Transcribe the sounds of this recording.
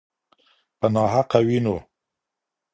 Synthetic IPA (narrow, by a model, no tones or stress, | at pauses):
pənɑːɦaqawino